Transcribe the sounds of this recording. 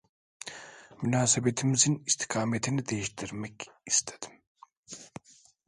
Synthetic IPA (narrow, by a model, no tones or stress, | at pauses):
mynaːsebet̪ʰimizinist̪ʰi̥kʰaːmet̪ʰinid̪e̞jiʃt̪ʰiɾmɛcist̪ʰed̪̥i̥m